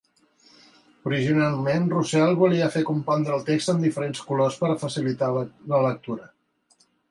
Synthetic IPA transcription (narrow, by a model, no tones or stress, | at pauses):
uɾiʒinalˠmenrusalˠβuliəfekumpɔnd̪ɾəːlˠt̪ekst̪əmd̪ifəɾenskulospəɾfəsilit̪allələk̚t̪uɾə